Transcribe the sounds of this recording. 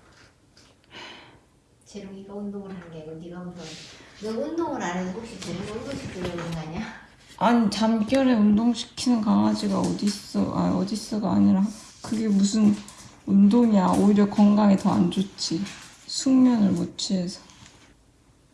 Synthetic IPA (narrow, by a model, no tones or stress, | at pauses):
t͡ɕeɾɯŋiɡaundoŋɯɾɦanɡeɡoniɡausʰʌnnɯundoŋɯɾaɾɯnɡokɕ͈it͡ɕeɾɯɡoɡoɕʰitɯɾemonɡaɲa | aɲit͡ɕamk͈jʌɾe̞undoŋɕʰi̥kʰinɯnkaŋad͡ʑiɡaʌdis͈ɯ̰a̰ʌdis͈ɯɡa̰ːɲiɾa | kɯɡe̞musʰɯn | undoŋiaoiɾjʌkʌŋɡaŋetʌa̰nd͡ʑot͡ɕ͈ʰi | sʰuŋmjʌnɯɭmot͡ɕʰiɦe̞sʰʌ̥